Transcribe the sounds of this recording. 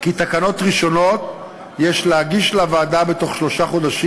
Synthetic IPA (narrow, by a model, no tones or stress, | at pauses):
kit̪akano̞tʁiʃo̞no̞t | jeʃleaɡiʃlavaːdabe̞to̞χʃlo̞ʃaχo̞daʃi